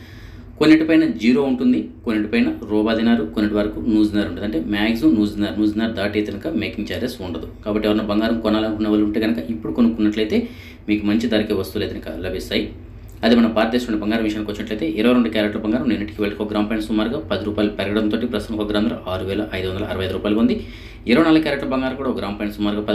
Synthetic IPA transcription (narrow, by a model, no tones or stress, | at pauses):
konːiʈipɐjnɐd͡ʒiːɾo̞ːuɳʈund̪ikonːiʈipɐjnɐɾɔːbaːd̪inaːɾukonːiʈiʋɐɾɐkunuːzinaːɾuɳɖud̪ɐɳʈe̞ːmaːɡzunuːzinːaːɾnuːzinːaːɾud̪aːʈet̪ɐɐnɐkɐmeːkiŋɡt͡ʃaːɾesuɳɖɐd̪ukaːbɐʈːiʋaːɾɐnɐbɐŋɡaːɾɐmkɔnaːlɐnkunːɐʋaːluɳʈeːɡɐnɐkɐʔipːuɽukonukunːɐʈlɐjt̪e̞ː | miːkumɐɲt͡ʃid̪aːɾikeːʋɐst̪uleːd̪ɐnɐkɐ̰lɐbʱist̪aːji | ɐd̪imɐnɐpaːɾt̪eːsɐʈʋɐɳʈibɐŋɡaːɾɐmʋiʂɐanikʋɐt͡ʃːinɐʈlɐjt̪e̞ːʔiɾɐʋɐjɾoɳɖukʲjaːɾeʈlɐbɐŋɡaːɾɐmnenːɐʈikiʋeɭɐʈikoɡɾaːmpaːjnsumaːɾuɡaːpɐd̪iɾuːpaːjilupɛɾɐɡɐɽɐnt̪oːʈipɾɐst̪t̪ɐmkoɡɐɾaːnd̪ɾɐ̰ʔaːɾuʋɛːlɐʔɐjd̪uʋɐnd̪ɐlɐɐɾɐʋɐjd̪uɾuːpaːjilɐond̪i | iɾɐʋɐnaːlːɐkjaːɾeʈlɐbɐŋɡaːɾɐmkuːɽaoɡɾaːmpajnsumaːɾuɡaːpɐ